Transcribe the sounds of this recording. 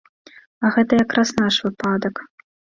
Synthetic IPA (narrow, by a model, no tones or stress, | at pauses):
ɐɣɛt̪ɐjakɾasnaʂvɨpad̪ɐk